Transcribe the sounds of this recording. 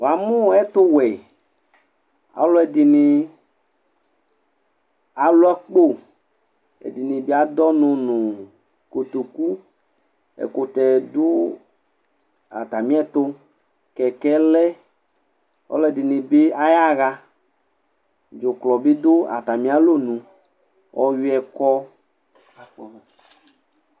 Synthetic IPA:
wa˨mũ˦˨ɛ˦t̪o˦wɛ˨ | a̰˨˦lo˦ɛ˨di˨ni˧ | a˨˦lo˦a˦k͡po˦ | ɛ̰˨di˨nĩ˨be˦a˨˦d̪ɔ˦nũ˧nũ˨ | ko˨t̪o˨ku˦ | ɛ̰˨ko˨t̪ɛ˨do˦ | a̰˨t̪a˨mĩ˦ɛ˦t̪o˦ | kɛ˨kɛ˦lɛ˦ | ɔ̰˦lɛ˦˨di˨nẽ˨be˦a˦ja˦ɣa˦ | d͡ʒo˨klɔ˨be˦d̪o˦a̰˨t̪a˨mĩ˦a˦lo˦nũ˨ | wʔɔ̰˦wi˦ɛ˨kɔ˦˨

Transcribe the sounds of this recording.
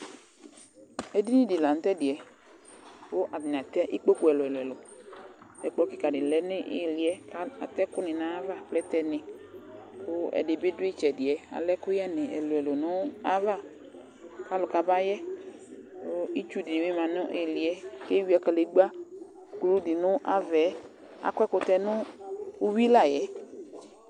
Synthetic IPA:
ɛ˨di˦nĩ˦di˨la˨n̩˨˦t̪ɛ˦dɪ˨ɛ˨ | wo˦ʔa˨bi˨n˨a˨t̪ɛ˦ʔi˦k͡po˦ku˦ɛ˨lʊ˨ɛ˨lʊ˨ɛ˨lʊ˨ | ɛ˨k͡pɔ˦kɪ˨ka˨dɪ˨lɛ˨˦nɪ˦ʔɪ̰˦˨li˨ɛ˦ka˦a˨t̪ɛ˦kʊ˦nɪ̃˨nã˨˦va˦k͡plɛ˦t̪ɛ˦nɪ̃˨ | wo˦ɛ̰˨dɪ˨be˦dʊ˦i˦t͡ʃɛ˨dɪ˨ɛ˨a̰˨lɛ˦kʊ˦ja˦nɪ̃˨ɛ̰˨lo˨ɛ˨lo˨nʊ˦a˦va˦ | ka˦lʊ˨ka˨ba˦jɛ˦ | o˦i˦t͡ʃu˦dɪ˨wi˦mã˨nʊ˦ʔɪ˨lɪ˨ɛ˨ke˦wi˦ɛ˦ka˨le˨˦ɡ͡ba˦ | klu˦dɪ˨nʊ˦ʔa˦vɛ˨˦ | a̰˨kʷɛ˦kʊ˨t̪ɛ˦nʊ˦u˦wi˦la˦˨jɛ˨˦

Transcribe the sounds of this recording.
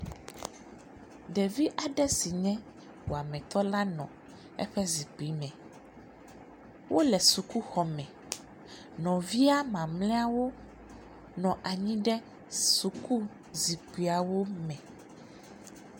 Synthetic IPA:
ɖɛ˨vi˦ʔa˨ɖɛ˦si˨ɲɛ̃˦ | wo˨a˨mɛ̃˨t̪ɔ˦la˦nɔ̃˨ | ɛ̰˦ɸɛ˦zi˨k͡pi˨˦mɛ̃˨ | wʔo˦lɛ˨su˨ku˦xɔ˨mɛ̃˨ | nɔ̃˨vi˦a˦mã˨mlɛ̃˦a˦wo˦ | nɔ̃˨ʔa˨ɲĩ˦ɖɛ˦ | su˨ku˦ | zi˨k͡pi˨a˨wo˦mɛ̃˨

